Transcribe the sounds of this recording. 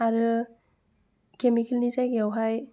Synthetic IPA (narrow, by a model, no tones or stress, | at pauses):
aɾɯ | kemikelnizajɡeawɦaj